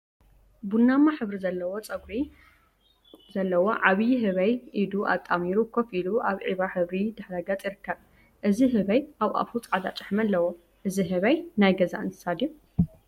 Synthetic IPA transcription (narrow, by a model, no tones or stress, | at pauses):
bunːamːaħɨβɾizɐlːɐwot͡sʼɐɡɾi | zɐlːɐwoʕaβjɦɨβɐjʔid̪uʔa̰t̪ʼːamiɾukʰofiluʔaβʕiβaħɨβɾid̪ɨħɾaɡɐt͡sʼjiɾɨkʰːɐβ | ʔɨziɦɨβɐjʔaβʔa̰fut͡sʼʕad̪at͡ʃʼɨħmɐlːɐwo | ʔɨziɦɨβɐjnajɡɐza̰ʔɨnt̪ʰɨ̥sad̪ju